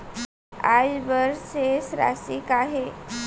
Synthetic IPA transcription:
ajbəɾsesɾa̰sikaɦe

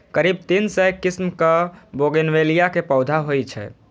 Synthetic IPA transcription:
kəɾib̚t̪insəjkismkəboɡenʋelijakepəwd̪ʱaɦojt͡ʃʰɛ̰

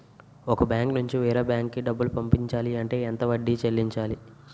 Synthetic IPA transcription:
ɔkɐbjaːŋknuɲt͡ʃiʋiːɾɐbjaːŋkːiɖɐbːulupɐmpiɲt͡ʃaːliɐɳʈe̞ːɛnt̪ɐʋɐɖːit͡ʃelːiɲt͡ʃaːli

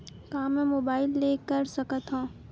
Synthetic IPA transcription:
kaːmɛ̃moːbaːɪlːeːkɐɾsɐkət̪ɦõː

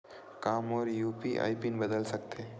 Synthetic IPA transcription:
kaːmɔːɾjuːpiʔa̰ipinbəd̪əlsəkt̪e

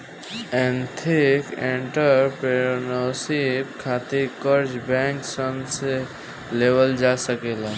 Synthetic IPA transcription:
ɛ̃nt̪ʰikẽɳʈəɾpeɾonosip̚kʰaːt̪ikəɾd͡ʒbɛ̃ŋksənse | lewəld͡ʒasəkeːla

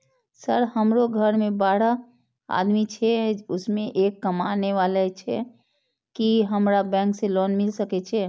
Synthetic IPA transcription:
səɾhəmɾoɡʱəɾmebaɽə | a̰d̪mit͡ʃʰɛʊsmeʔekːəmaneʋalɛt͡ʃʰɛ | kiɦəmɾabɛ̃ŋkselɔnmilsəkɛt͡ʃʰɛ

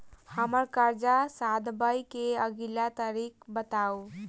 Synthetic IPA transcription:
həməɾkəɾd͡ʒasad̪bəjkeəɡilat̪əɾik̚bət̪au

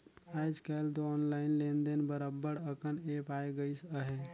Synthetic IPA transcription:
ajd͡ʒkəlt̪oɔnlainlend̪enbəɾəbːəɾəkʰənepajeɡəjsəɦe

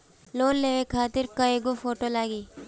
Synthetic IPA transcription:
loːnleːʋekʰaːt̪ɪɾkɐeɡofoːʈolaːɡiː

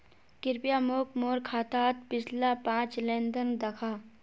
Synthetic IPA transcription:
kɪɾpijamoːkmoːɾkʰaːt̪aːt̪̚pɪd͡ʒlapãːt͡ʃlẽːnd̪ənd̪ɐkʰaː

